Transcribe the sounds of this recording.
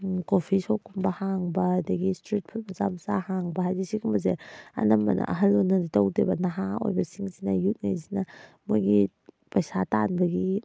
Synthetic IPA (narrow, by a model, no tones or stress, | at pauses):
kopʰisokʰːumbɐhaŋbɐdɐɡistɾit̚pʰut̚mɐza̰mza̰haŋbɐhajzisikumbɐzeɐ̰nɐmbɐ̰nʔɐ̰ʔɐɦɐlːonːɐditawdebɐnaɦao̰jbɐsiŋsinɐjut̚ŋa̰jzinɐ | mojɡi | pɐjsatanbɐɡi